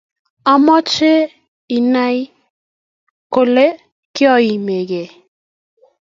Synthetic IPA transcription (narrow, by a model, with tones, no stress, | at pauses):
a˨mɔ˦t͡ʃe˦ | i˨na˦j | ko˨le˦ | kɪ˦ɔ˦i˨me˨ɡe˨